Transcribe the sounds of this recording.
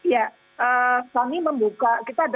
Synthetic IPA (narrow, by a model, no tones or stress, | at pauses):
ja | ʔəsaŋiməmbukakit̪aːd